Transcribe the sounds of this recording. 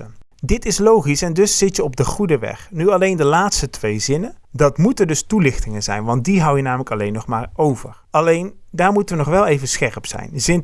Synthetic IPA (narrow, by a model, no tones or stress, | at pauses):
ə | dɪtɪslowχisɛndɵsːɪtjəɔb̚dəχudəʋɛ̰χnyɑlejndəlaːtstətʋejzɪnəndɑtmutəndɵstulɪχtɪŋənzɛ̰jnʋɑnt̚diɦʌwjənaːmələkɑlejnːɔχmaːɹowvəɹɑlejn | daːɹmutəʋənɔχʋɛlˠejvənsχɛrpsɛ̰jnzɪn